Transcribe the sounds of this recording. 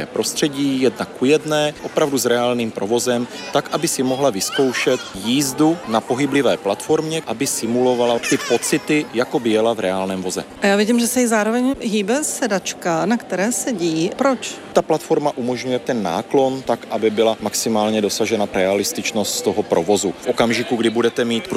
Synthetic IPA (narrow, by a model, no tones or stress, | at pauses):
ɛ̰ːpɾo̞st̪r̥ɛɟiːjɛdnakːujɛdnɛːʔo̞pɾavduzɾɛaːlniːmpɾʔo̞vo̞zɛm | t̪akʔabɪsɪmo̞ɦlavɪsko̞wʃɛt̪jiːzdunapo̞ɦɪblɪvɛːplat̪fo̞ɾmɲɛʔabɪsɪmulo̞valat̪ɪpo̞t͡sɪt̪ɪjakobɪjɛlavɾɛaːlnɛːmvo̞zɛ̰ʔajaːvɪɟiːmʒɛsɛjɪzaːɾovɛɲɦiːbɛsɛdat͡ʃkanakt̪ɛɾɛːsɛɟiːpɾot͡ʃt̪aplat̪fo̞ɾmaʔumoʒɲujɛt̪ɛnːa̰ːklo̞nt̪akʔabɪbɪlamaksɪmaːlɲɛdo̞saʒɛnaɾɛalɪst̪ɪt͡ʃno̞st̪st̪oɦopɾovo̞zufʔokamʒɪkuɡdɪbudɛt̪ɛmiːt̪p